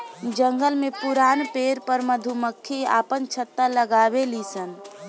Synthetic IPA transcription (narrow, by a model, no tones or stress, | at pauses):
d͡ʒəŋɡəlmepuɾaːnpeɾpəɾməd̪ʱuməkʰːia̰ːpənt͡ʃʰət̪ːələɡabelisən